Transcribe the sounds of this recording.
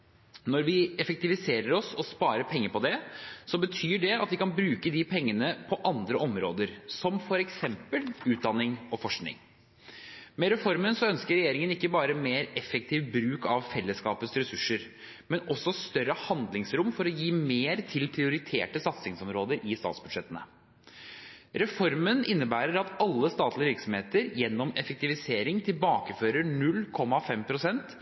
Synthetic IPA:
nɔɾʋɪɛfək̚t̪ɪʋɪseːɾəɾɔsɔspɑːɾəpʰɛŋːəɾpɔd̪ɛsɔbət̪ʰyːɖɛɑt̪ʋɪkɑnbɾʉːkəd̪ɪpʰɛŋːənəpʰɔʔɑnd̪ɾəʔɔmɾo̰ːd̪əɾsɔmfɔɾɛksɛmpəlʉːt̪̚d̪ɑnːɪŋɔfɔʂknɪ̰ŋ | mɛɾɛfɔɾmənsɔœnskəɾɛjeːɾɪŋənɪkːəbɑːɾəmeːɾɛfɛk̚t̪ʰɪːʋbɾʉːkɑʋfɛlːəskɑːpət̪sɾɛsʉʂːəɾ | mɛnɔsɔst̪œɾəhɑnd̪lɪŋsɾʊmfɔɾɔjiːmeːɾt̪ʰɪlpʰɾɪʊɾɪt̪ʰeːʈəsɑt̪sɪŋsɔmɾoːd̪əɾʔɪst̪ɑ̰ːt̪sb̥ʉd̪ʂɛt̪ənə̰ | ɾɛfɔɾmənɪnːəbæːɾəɾɑt̪ɑlːəst̪ɑːt̪ʰlɪəʋɪɾksɔmheːt̪əɾjɛnːɔmɛfək̚t̪ɪʋɪseːɾɪŋt̪ʰɪlbɑːkəføːɾəɳʉlːkʰɔmːɑfɛmpʰɾʊsɛnt̪

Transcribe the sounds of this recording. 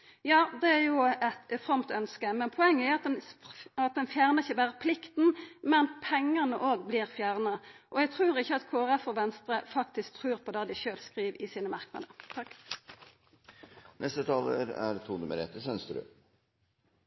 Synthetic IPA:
jɑːd̪ɛæʁjʊɛt̪fʁɑmt̪œnskəmɛnpʰɔɛŋːəæɑt̪̚d̪ɛnɑt̪̚d̪ɛnfjæːʁnəʁɪçəbæːʁəpʰlɪkt̪n̩mɛnpʰɛŋːənəʔoːɡblɪːʁfjæːʁnɑʔɔjɛɡt̪ʰʁʉːʁɪçːəɑt̪kʰoːæɾɛfɔʋɛnst̪ʁəfɑkt̪ɪsk̚t̪ʰʁʉːʁpʰɔd̪ɑːd̪ɪçøːlskʁiːʋɪsiːnəmɑʁknɑ̰d̪ət̪ʰɑkː | nɛst̪ət̪ʰɑːlə̰ɾæ̰ɾt̪ʰuːnʉməɾɛ̰t̪əsɛnst̪əɾʉ̰

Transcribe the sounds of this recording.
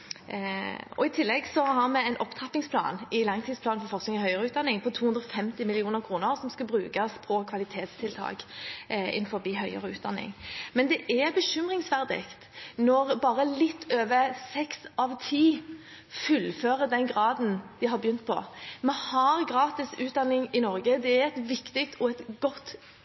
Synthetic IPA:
ɔ̰ɪt̪ʰɪlːɛɡsɔhɑʁmɛɛɪnʔɔpt̪ʰʁɑpːɪŋspʰlɑ̰ːnɪlɑŋt̪ʰɪd̪splɑːnfɔɾfɔʁsknɪŋɪhœʏəɾəʉːt̪̚d̪ɑnːɪŋpʰɔt̪ʰuːhʉnd̪ʁɔfɛmt̪ɪmɪlɪuːnəʁkʰɾuːnəʁsɔmskɑbɾʉːkɑspʰɔkʰʋɑlɪt̪ʰeːt̪st̪ʰɪlt̪ʰɑ̰ːk | ɪ̰nfɔɾbiːɦœʏə̰ʁəʉːt̪̚d̪ɑ̰nːɪ̰ŋmɛnd̪ɛʔɛbəʃʏmʁɪŋsʋæʁd̪ɪ̰kt̪nɔʁbɑːɾəlɪt̪ʰːøːʋəɾsɛksɑʋt̪ʰiː | fʉlføːʁəd̪ɛnɡʁɑːd̪n̩d̪̥ɪɦɑʁbəjʏnt̪̚pʰɔ̰mɛhɑʁɡʁɑːt̪ɪsʉːt̪̚d̪ɑnːɪŋɪnɔɾɡəd̪ɛæɾɛt̪ʋɪkt̪ɪk̚t̪ʰɔɛt̪ɡɔt̪ː

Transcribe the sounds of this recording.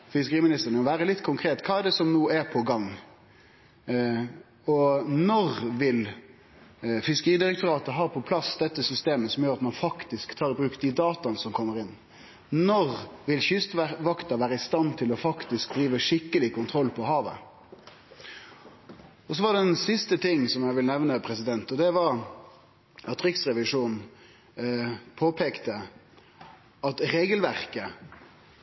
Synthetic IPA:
fɪskəɾiːmɪnɪst̪əɾnəɔʋæːɾəlɪt̪ːkʰʊŋkʰɾeːt̪kʰɑːɛɖ̪ɛsɔmnuːæpʰɔɡɑŋː | ɔnɔʁʋɪl | fɪskəɾiːd̪ɪɾɛk̚t̪ʊɾɑːt̪əɦɑːɾpʰɔpʰlɑsd̪ɛt̪ːəsʏst̪eːməsɔmjøːɾɑt̪mɑnfɑkt̪ɪskt̪ʰɑːɾɪbɾʉːkd̪ɪd̪ɑːt̪ɑnəsɔmkʰɔmːəɾɪnː | nɔʁʋɪlçʏst̪ʋɑkt̪ɑʋæːɾəɪst̪ɑnt̪ʰɪlɔfɑkt̪ɪsk̚d̪ɾiːʋəʂɪkːəlɪkʊnt̪ʰɾɔlːpʰɔhɑːʋə̰ | ɔs̬ɔʋɑɖ̪ɛɛnsɪst̪ət̪ʰɪŋːsɔmjæʋɪlnɛʋnəpʰɾɛsɪd̪ɛnt̪ɔd̪ɛʋɑɾ | ʔɑt̪ɾɪksʁɛʋɪʂuːnn | pʰoːpʰeːkt̪ə | ɑt̪ɾeːɡəlʋæʁkə

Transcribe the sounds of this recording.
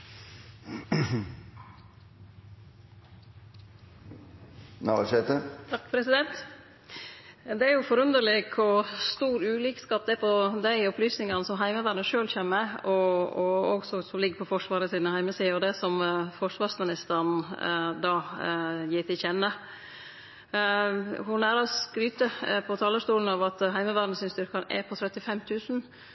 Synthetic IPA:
nɑʂet̪ət̪ʰɑkpʰɾɛsɪd̪ɛnt̪ | d̪ɛæɾjʊfɔɾʉnd̪əɾɭɪkʰɔst̪uːɾʉːliːkskɑːp̚d̪ɛpʰɔd̪æɪɔplyːsnɪŋɑnəsɔmɦæɪməʋæɾnəʂøːlçɛːmːəɔɔɔ̰ɡsɔsɔmlɪɡːɾpʰɔfɔʂʋɑːɾəsiːnəhæɪməsiːɑɔd̪ɛsɔmfɔʂʋɑːɾsmɪnɪst̪əɾnd̪ɑːjiːt̪ɪlçɛnːə | hʊnæɾɑskɾyːt̪əpʰɔt̪ʰɑːləʂt̪uːln̩ɑʋɑt̪ɦæɪməʋæːɾn̩əsɪnst̪ʏɾkɑɛ̰pʰɔt̪ʰɾɛt̪ːɪfɛmt̪ʰʉːsn̩

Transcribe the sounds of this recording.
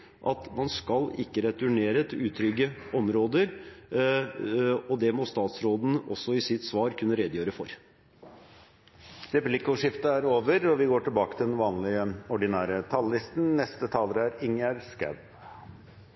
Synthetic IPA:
ʔɑ̰t̪mɑnskɑlɪkːəɾɛt̪ʉɳeːɾət̪ʰɪʉːt̪ʰɾʏɡːəɔmɾoːd̪əɾ | ɔd̪ɛmɔst̪ɑːt̪sɾoːd̪n̩ɔsːɔɪsɪt̪sʋɑːɾkʉnːəɾɛd̪jøːɾəfɔɾ | ɾɛplɪkʊʂɪft̪əæɾoːʋəɾɔʋɪɡoːʈɪlbɑːkət̪ɪd̪ɛnʋɑːnlɪəɔɖɪnæːɾət̪ʰɑlːɪst̪n̩nɛst̪ət̪ʰɑːləɾəæɾɪŋəɾskæ̰b

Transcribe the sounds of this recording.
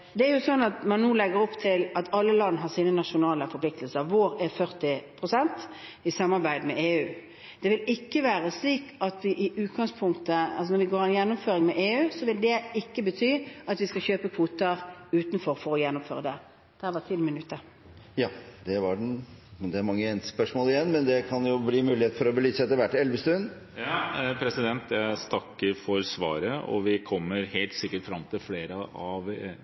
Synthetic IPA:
d̪ɛæɾjʊsɔnːɑt̪mɑnːuːlɛɡəɾɔpt̪ʰɪlɑt̪ʰɑlːəlɑnːɦɑɾsiːnənɑʂʊnɑːləfɔpʰlɪk̚t̪əlsəɾʋoɾɛfœʁt̪ɪpʰʁʊsɛnt̪ɪsɑmːɑɾbæɪd̪mɛʔeːʉː | d̪̥ɛʋɪlɪkːəʋæːɾəsliːkɑt̪ʋɪʔɪʔʉːt̪ɡɑŋspʰʊŋt̪əɑ̰ls̬ɔnɔɾʋɪɡoːɾɛnjɛnːʊmføːɾɪŋmɛʔeːʉːsɔʋɪld̪ɛɪkːəbət̪ʰyːɑt̪ʋɪskɑçøːpəkʰʋuːt̪əɾʉːt̪nfɔɾfɔɾɔjɛnːʊmføːɾəd̪ɛ | d̪̥ɛæʋɑt̪ʰɪlmɪnʉt̪ːəɾ | jɑːd̪ɛʋɑɖɛnd̪ɛæɾmɑŋːəɛnspœʂmoːlɪjɛnːmɛnd̪ɛkʰɑnjʊbliːmʉːlɪheːt̪fɔɾɔbəlyːsɛt̪ːəɾʋæʈːɛlʋəst̪ʉnd̪ | jpʰɾɛsɪd̪ɛnt̪ʰjæɪst̪ʰɑkːəɾfɔɾsʋɑ̰ːɾəɔ̰ʋɪkʰɔmːəɾheːlt̪sɪkːəʈfɾɑmt̪ʰɪlfleːɾəɑʋ

